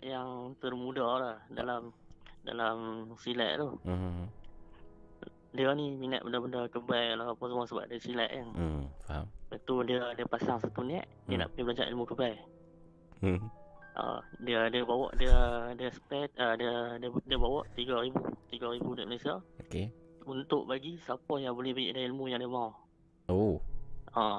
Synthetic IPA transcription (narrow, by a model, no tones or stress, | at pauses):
jaŋt̪ərmudalahdalamda̰lamsilɛ̰ʔ̚t̪u | diəniminə̰ʔ̪̚bədabəndakəbajalapəsəmasəba̰ʔdisilɛ̰ʔjanabat̪udiədiəpasaŋsat̪unia̰ʔ | diəna̰ʔpibəlad͡ʒa̰ʔḭlmukəbaj̩ | ʔə̰diədiəbawɔ̰ʔdiədiəsə̥pɛt̪̚adəddiəbawɔʔt̪iɡaɾibṵt̪iɡaɾibudiəʔməlesiaokeunt̪ʊʔbaɡisapajaŋbolɪhbaḭʔdaɦilmujaŋdiəmaw | o | a